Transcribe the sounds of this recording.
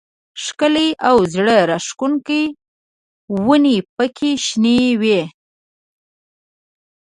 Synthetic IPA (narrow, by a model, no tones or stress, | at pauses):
ʂkəleʔawzɽəɾaʂkunkəj | wənipəkʰeʃnewe